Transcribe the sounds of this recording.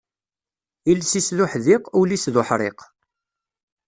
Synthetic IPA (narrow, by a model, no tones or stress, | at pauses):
ilsisðʊħðɪqʊlisðʊħɾˤḛq